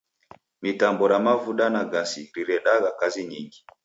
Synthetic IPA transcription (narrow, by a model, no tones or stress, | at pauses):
mitambɔɾamavuɗanaɡasiɾiɾɛɗaɣakaziɲiŋɡi